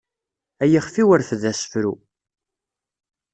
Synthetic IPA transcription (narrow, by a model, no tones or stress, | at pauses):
æjiχfiwəɾθəðæsə̥fɾu